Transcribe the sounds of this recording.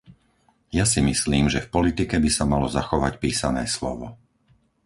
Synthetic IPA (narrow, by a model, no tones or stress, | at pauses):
jasimisliːmʒɛfpɔlit̪ikɛbisamalɔzaxɔʋacpiːsanɛːslɔ̰ʋɔ̰